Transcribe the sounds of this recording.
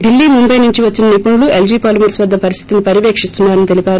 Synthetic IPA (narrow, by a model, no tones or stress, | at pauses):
ɖilːiːmumbɐjnuɲt͡ʃiʋɐt͡ʃːinɐnipuɳuluʔeld͡ʒiːpaːlumɐɾsʋɐd̪ːɐpɐɾist̪ʰit̪unipɐɾiʋeːkʂist̪unːaːɾɐnit̪e̞lipʲaːɾu